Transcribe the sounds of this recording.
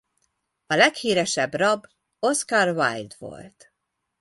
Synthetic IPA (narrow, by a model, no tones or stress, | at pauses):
ɒlɛkhiːɾɛʃɛbrɒb | o̞skarva̰jd̪ʋo̞̰lt̪